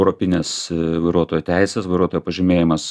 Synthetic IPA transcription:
ʊɾopʲɪnʲeːsʋɐɪɾuɔt̪oːjut̪ʲɛɪsʲɛsʋɐɪɾuɔt̪oːjupɐʒʲɪmʲeːjɪmɐs

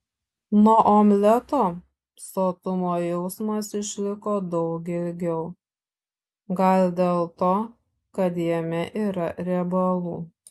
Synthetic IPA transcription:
nuɔʔoːmʲlʲɛt̪oː | soːt̪ʊmoːjɛʊsmɐsɪʃʲlʲɪkoːd̪ɒʊk̬ɪlʲɡʲɛʊ | ɡɐlʲd̪ʲeːlˠt̪oː | kɐt̪jɛmʲɛʔiːɾɐɾʲɛbɐlˠuː

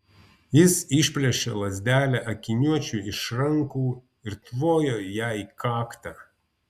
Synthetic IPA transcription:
jɪsɪʃʲpʲlʲɛʃʲeːlˠɐzʲd̪ʲæːlʲæʔɐkʲɪnʲuɔt͡ʃʲuɪʃɾɐŋkuː | ɪɾt̪ʋoːjoːjæɪkɑːkt̪ɑ

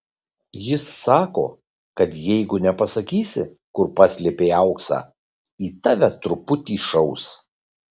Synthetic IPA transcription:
jɪsːɑːko̰ː | kɐt̪jɛɪɡʊnʲɛpɐsɐkʲiːsʲɪ̰ | kʊɾpɑːsʲlʲepʲeːɐʊksɑ̰ː | iːt̪ɑːʋʲɛt̪ɾʊpʊt̪ʲiːʃɐʊs

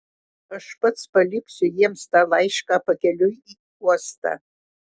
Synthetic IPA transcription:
ɨʂpʰʼɨt͡sʰpʰʼalikʰsʊjemstʼalajʂkʼapʰakʲʰʼalʲuji | kʼɔstʰʼa̰

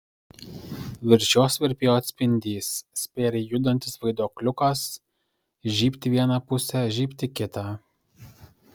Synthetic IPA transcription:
ʋʲɪɾʲʒʲoːsʋʲɪɾʲpʲeːjoːɐt̪ʲsʲpʲɪnʲd̪ʲiːsːʲpʲeːɾʲɛjʊd̪ɐnʲt̪ʲɪsʋɐɪd̪oːklʲʊkɐs | ʒʲiːpʲt̪ʲɪʋʲiɛnɐpʊsʲɛʒʲiːpʲt̪ʲɪkʲɪt̪ɑ

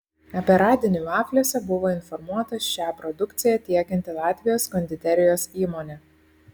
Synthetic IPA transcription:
ɐpʲɛɾɑːd̪ʲɪnʲuɑːkʲlʲosʲɛbʊʋoːɪnfɔɾmuɔt̪ɐʃʲæːpɾɔd̪ʊkt̪sʲɪjɛt̪ʲiɛkʲɛnʲt̪ʲɪlˠɑːt̪ʲʋʲɪjoːskɔnʲd̪ʲɪt̪ʲɛɾʲɪjoːsiːmoːnʲɛ

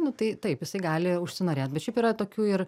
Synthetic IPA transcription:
nʊt̪ɐɪt̪ɐɪpjɪsɐɪɡɑːlʲɪʊʃʲsʲɪnoːɾʲeːt̪̚bʲɛt̪ʃʲɛɪpiːɾɐt̪oːkʲuːɪr

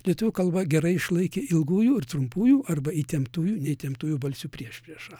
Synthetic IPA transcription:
lʲiɛt̪ʊʋʲuːkɐlˠbɐɡʲɛɾɐɪɪʃlˠɐɪkʲeːɪlˠɡuːjuːɪrt̪ɾʊmpuːjuːʔɐrbɐit̪ʲɛmpt̪uːjuːnʲɛɪt̪ʲɛmt̪uːjuːbɐlʲsʲuːpʲrʲiɛʃʲpʲɾʲiɛʃɑː

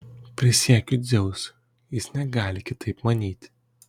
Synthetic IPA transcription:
pʲɾʲɪsʲiɛkʲʊd̪zʲɛʊs | jɪsnʲɛɡɑːlʲɪkʲɪt̪ɐɪpmɐnʲiːt̪ʲ

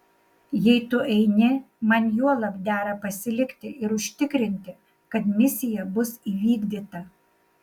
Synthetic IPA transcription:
jɛɪt̪ʊʔɛɪnʲɪ | mɐnjuɔlˠɐpd̪ʲæːɾɐpɐsʲɪlʲɪkt̪ʲɪɪɾʊʃʲt̪ʲɪkɾʲɪnʲt̪ʲɪ | kɐt̪mʲɪsʲɪjɛbʊsiːʋʲiːɡd̪ʲiːt̪ɐ

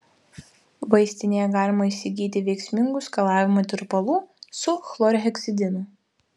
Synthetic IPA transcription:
ʋɐɪsʲt̪ʲɪnʲejɛɡɑːlʲɪmɐisʲɪɡʲiːt̪ʲɪʋʲɛɪksʲmʲɪŋɡʊskɐlˠɑːʋʲɪmɐt̪ʲɪɾpɐlˠuːsʊxlˠɔːɾʲɦʲɛksʲɪd̪ʲɪnʊ

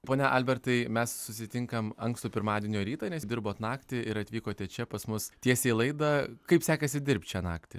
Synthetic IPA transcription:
poːnʲɛʔɐlʲbʲɛrt̪ɐɪmʲɛssʊsʲɪt̪ʲɪŋkɐmɐŋkst̪ʊpʲɪɾmɑːdʲiɛnʲoːɾʲiːt̪ɐnʲɛsd̪ʲɪɾboːt̪nɑːkt̪ʲɪɪɾɐt̪ʲʋʲiːkoːt̪ʲɛt͡ʃʲɛpɐsmʊstʲiɛsʲɛːlˠɐɪd̪ɐkɐɪpsʲæːkɐsʲɪd̪ʲɪɾʲp̚ʲt̪ʲt͡ʃʲɛːnɑ̰ːkt̪ʲɪ̰

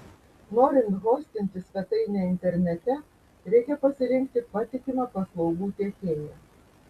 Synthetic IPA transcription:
noːɾʲɪnt̪ɣoːsʲt̪ʲɪnʲt̪ʲɪsfʲɛt̪ɐɪnʲeɪnʲt̪ʲɛɾʲnʲɛt̪ʲɛ | ɾʲɛɪkʲɛpɐsʲɪɾʲɪŋʲkt̪ʲɪpɑt̪ʲɪkʲɪmɑpɐslˠɒʊɡuːt̪ʲeːkʲeːjjɛ

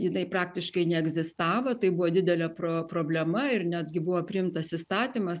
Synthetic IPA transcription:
jɪnɐɪpɾɑːk̚t̪ʲɪʃkɐɪnʲɛɛɡzʲɪst̪ɑːʋot̪ɐɪbʊʋod̪ʲɪd̪ʲɛlʲɛpɾoːpɾoːbʲlʲɛmɐɪrnʲæːd̪ʲɡʲɪbʊʋopʲɪɪmt̪ɐsɪst̪ɑːt̪ʲimɐs

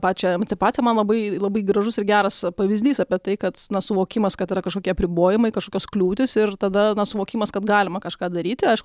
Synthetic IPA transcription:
pɑːt͡ʃʲɛɛmɐnʲt͡s̪ʲɪpɑːtt͡sʲsʲɪjɛmɐnlˠɐbɐɪlˠɐbɐɪɡɾɐʒʊsɪɾɡʲæːɾɐspɐʋʲɪzʲd̪ʲiːsɑːpʲiɛt̪ɐɪkɐt̪nɐsʊʋoːkʲɪmɐskɐt̪iːɾɐkɐʃkoːkʲiɛɐpʲɾʲɪboːjɪmɐɪkɐʃkoːkʲoːsklʲuːt̪ʲɪsɪrt̪ɐd̪ɐnɐsʊʋoːkʲɪmɐskɐt̪ɡɑːlʲɪmɐkɐʃkɑːd̪ɐɾʲiːt̪ʲɪɐɪʃkʊ

